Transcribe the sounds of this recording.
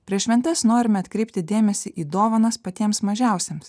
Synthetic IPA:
pʲɾʲiɛsʲʃʲʋʲɛnʲt̪ʲɛsnoːɾʲɪmʲɛɐt̪ʲkɾʲɛɪp̚ʲt̪ʲɪd̪ʲeːmʲɛsʲiʔiːd̪oːʋɐnɐspɐt̪ʲiɛmsmɐʒʲæˑʊsʲeːms

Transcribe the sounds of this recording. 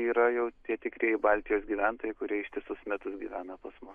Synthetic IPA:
iːɾɐjɛʊt̪ʲiɛt̪ʲɪkɾʲiɛɪbɐlʲt̪ʲɪjoːsɡʲiːʋʲænt̪oːjɛɪkʊɾʲiɛɪʃt̪ʲɪsʊsmʲæt̪ʊsɡʲiːʋʲæːnɐpɐsmʊs

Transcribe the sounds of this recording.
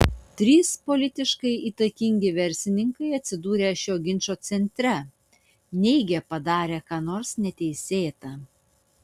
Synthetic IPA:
t̪ʲɾʲiːspolʲɪt̪ʲɪʃkɐɪʔiːt̪ɐkʲɪŋʲɡʲɪʋʲɛɾʲsʲɪnʲɪŋkɐɪɐt̪ʲsʲɪd̪uːɾʲeːɐʃʲjoːɡʲɪnʲt͡ʃoːt̪sʲɛnʲt̪ʲɾʲɛ | nʲɛɪɡʲeːpɐd̪ɑːɾʲeːkɑːnoːɾsnʲɛt̪ʲɛɪsʲeːt̪ɑ

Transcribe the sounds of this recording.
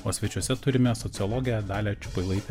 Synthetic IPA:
oːsʲʋʲɛt͡ʃʲuɔsʲɛt̪ʊɾʲɪmʲɛsɔt̪sʲɪɔlˠɔːɡʲɪjɛd̪ɑːlʲɛːt͡ʃʲʊ̥pɐɪlˠɐɪt̪ʲɛ

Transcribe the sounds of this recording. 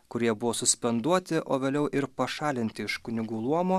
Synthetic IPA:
kʊɾʲiɛbʊʋoːsʊsʲpʲɛnd̪uɔt̪ʲɪʔoːʋʲeːlʲɛʊʔɪɾpɐʃɑːlʲɪnʲt̪ʲɪɪʃkʊnʲɪɡuːlˠuɔmoː

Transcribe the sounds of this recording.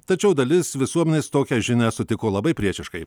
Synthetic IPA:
t̪ɐt͡ʃʲɛʊd̪ɐlʲɪsʋʲɪsuɔmʲɛnʲeːst̪oːkʲɛʒʲɪnʲæːsʊt̪ʲɪkoːlˠɐbɐɪpʲɾʲiɛʃʲɪʃkɐɪ

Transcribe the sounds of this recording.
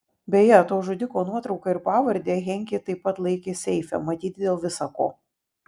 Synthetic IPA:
bʲejɛt̪oːʒʊd̪ʲɪkoːnuɔt̪ɾɒʊkɐɪɾpɑːʋɐɾʲd̪ʲeːɣʲɛŋʲkʲet̪ɐɪpːɐt̪lˠɐɪkʲeːsʲɛɪfʲɛ̰mɐt̪ʲiːt̪̚ʲd̪ʲeːlˠʋʲɪsɐko̰ː

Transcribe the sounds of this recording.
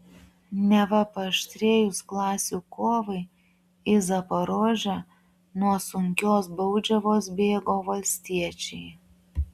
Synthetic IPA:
nʲɛʋɐpɐʃʲt̪ʲɾʲeːjʊsklˠɑːsʲuːkoːʋɐɪ | ɪzɐpɐɾoːʒʲɛ | nuɔsʊŋʲkʲoːsbɐʊd͡ʒʲɛʋoːs̬bʲeːɡoːʋɐlʲsʲt̪ʲiɛt͡ʃʲɛɪ

